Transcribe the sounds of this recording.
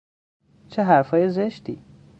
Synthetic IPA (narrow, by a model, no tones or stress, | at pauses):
t͡ʃʰeɦæɾfɒːjezeʃt̪iː